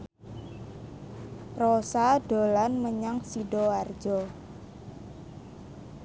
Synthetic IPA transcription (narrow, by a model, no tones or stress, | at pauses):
prosaɖ̥o̤lanməɲaŋsiɖɔard̥d͡ʒɔ